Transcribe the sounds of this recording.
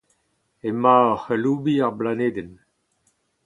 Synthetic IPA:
emːaɔχelubiaʁblaneːd̪ɛn

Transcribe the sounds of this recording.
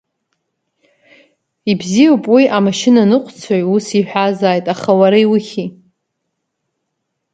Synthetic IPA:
ibzijowpʼwiʔamaʃɪnanɨqʷʰʼt͡sʰajusiħʷᶣazaːjtʼaχawaɾajwuχʲi

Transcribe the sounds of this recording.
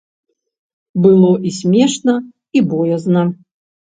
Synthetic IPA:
bɨlˠɔʔisʲmʲɛʂnɐ | ibɔjɐznɐ

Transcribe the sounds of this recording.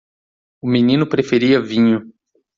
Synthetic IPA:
ʊminĩnʊpɾefeɾiɐvĩɲʊ

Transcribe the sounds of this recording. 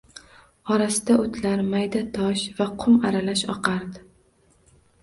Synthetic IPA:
ɒɾasɪd̪aot̪ʰlaɾmajd̪at̪ʰɒʃvaqʰʊmaɾalaʃɒ̰qʰɑɾd̪ɪ

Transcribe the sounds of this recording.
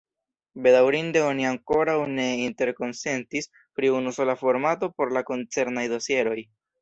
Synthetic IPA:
be̞dawɾinde̞o̞niaŋko̞ɾawne̞inte̞ɾko̞nse̞ntis | pɾiunuso̞lafo̞ɾmato̞po̞ɾlako̞nt͡se̞ɾnajdo̞sie̞ɾo̞j

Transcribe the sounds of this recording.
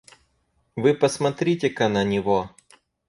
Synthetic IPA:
vɨpɐsmɐt̪ɾʲitʲɪkɐnɐnʲɪʋo

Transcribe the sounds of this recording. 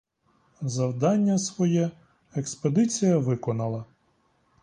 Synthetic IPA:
zɐwd̪ɑnʲːɐsʋɔjɛ | eksped̪ɪt͡sʲijɐʋɪkɔnɐlˠɐ

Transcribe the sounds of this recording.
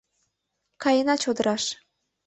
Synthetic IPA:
kɑjənɑt͡ɕod̪ə̆ɾɑʃ

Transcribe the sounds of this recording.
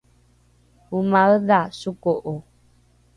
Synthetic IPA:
umaədasukoʔo

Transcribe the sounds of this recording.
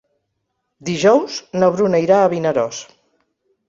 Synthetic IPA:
d̪iʒɔwznəβɾunəiɾaːβinəɾɔs

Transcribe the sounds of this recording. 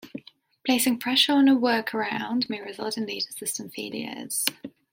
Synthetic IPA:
pʰl̥eɪsɪ̃ŋfɹɛʃɔːnəwɜˑkʰəɹãʊ̃ndmeɪɹɪzʌ̰lˠtɪ̃nliːdəsɪstə̃ɱfḭːlḭə̰z̥

